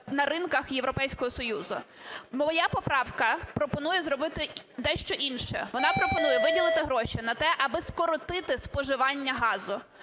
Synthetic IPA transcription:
nɐrɪnkɐxjeʋɾɔpɛjsʲkɔɦɔsɔjuzʊ̰mɔɔjɑpɔpɾɑwkɐpɾɔpɔnujɛzɾɔbɪt̪ɪd̪ɛʃt͡ʃɔʔinʃɛ̰ʋɔnɑpɾɔpɔnujɛʋɪdʲilˠɪt̪ɪɦɾɔʃʲɪnɐt̪ɛʔɐbɪskɔɾɔt̪ɪt̪ɪspɔʒɪʋɑnʲːɐɦɑzʊ

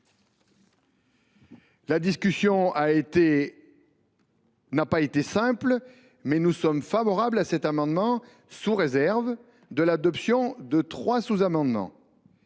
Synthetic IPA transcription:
lad̪iskʲysjɔ̃aet̪e | napaet̪esɛ̃pl | mɛnusɔmfavɔʁablasɛt̪amɑ̃d̪mɑ̃ | suʁezɛʁv | d̪əlad̪ɔpsjɔ̃d̪ət̪χwasuzamɑ̃d̪mɑ̰̃

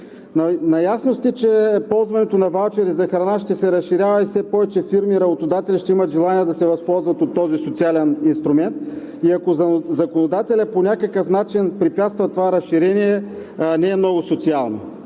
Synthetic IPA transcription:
nɐjasnost̪it͡ʃɛpɔlˠzvɐnɛt̪onɐvalˠt͡ʃɛɾizɐxɾɐnaʃt̪ɛsɛɾɐsʃiɾʲjavɐifsɛpɔvɛt͡ʃɛfiɾmiɾɐbot̪od̪at̪ɛlʲiʃt̪ɛimət̪ʒɛlˠaniɛd̪ɐsɛvɐspɔlˠzvɐt̪ot̪ːɔzisot̪sialɛninst̪ɾumɛnt̪̚ | iɐkozɐkonod̪at̪ɛlʲəponʲakəkəfnat͡ʃinpɾipʲat̪st̪vɐt̪ovaɾɐsʃiɾɛniɛ | nɛːmnɔɡʊsot̪sialˠno̰

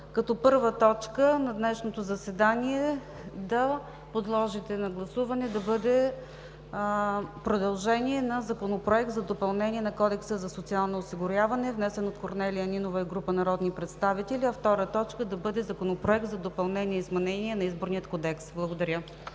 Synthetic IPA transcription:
kɐt̪ɔpɤɾvət̪ɔt͡ʃkənɐd̪nɛʃnot̪ozɐsɛd̪aniɛ | d̪ɐ | pod̪lˠɔʒit̪ɛnɐɡlˠɐsuvɐnɛd̪ɐbɤd̪ɛ | pɾod̪ɐlˠʒɛniɛnɐzɐkonopɾoɛk̚t̪zɐd̪opɐlˠnɛnʲiɛnɐkɔd̪ɛksəzɐsot̪sialˠnoːsiɡʊɾʲjavɐnɛvnɛsɛnot̪̚koɾnɛlʲiəninovəiɡɾupənɐɾɔd̪nipɾɛt̪st̪avit̪ɛlʲiɐft̪ɔɾət̪ɔt͡ʃkəd̪ɐbɤd̪ɛzɐkonopɾoɛk̚t̪zɐd̪opɐlˠnɛnʲiɛizmɛnɛniɛnɐizboɾnijət̪̚kod̪ɛksblˠɐɡod̪ɐɾʲɤ

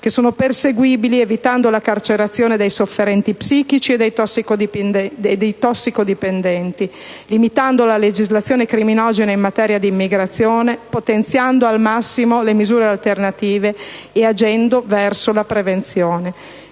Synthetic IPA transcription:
kesːoːnoperseɡwiːbilievit̪and̪olakart͡ʃeɾat̪sːjoːned̪ejsofːeɾɛnt̪ipsiːk̟it͡ʃied̪ej̪ɔsːikod̪ip̪ed̪ejt̪ɔsːikod̪ipend̪ɛnt̪i | limit̪and̪olaled͡ʒizlat̪sjoːnekɾiminɔd͡ʒeneimmat̪ɛːɾjad̪iːmːiɡɾat̪sːjoːnepot̪ent̪sjand̪oalmasːimolemizuːɾealt̪ernat̪iːveead͡ʒɛnd̪ovɛrsolapɾevent̪sjoːne

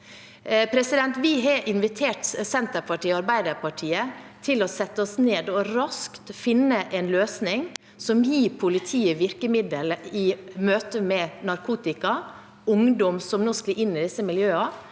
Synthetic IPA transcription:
pʰɾɛsɪd̪ɛnt̪ʋɪɦɑʔɪnʋɪt̪ʰeːʈsɛnt̪əɾpʰɑʈiːɑɾbæɪd̪əɾpʰɑʈʰiːət̪ʰɪlɔsɛt̪ːəɔsneːd̪ɔɾɑskt̪fɪnːəʔɛnløːsnɪŋ | sɔmjiːɾpʰʊlɪt̪ʰiːəʋɪɾkəmɪd̪əlɪmøːt̪əmɛnɑɾkʰuːt̪ɪkɑ | ʊŋd̪ɔmsɔmnoːsklɪʔɪnːɪd̪ɪsːəmɪljøːɑ

